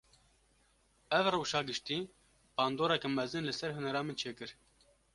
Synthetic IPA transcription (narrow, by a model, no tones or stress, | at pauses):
ɛvrɨwʃɑːɡɨʃt̪iː | b̥ɑːnd̪oːɾɛkɛmɛzɨnlɨsɛɾhʊnɛɾɑːmɨnt͡ʃʰeːkɨɾ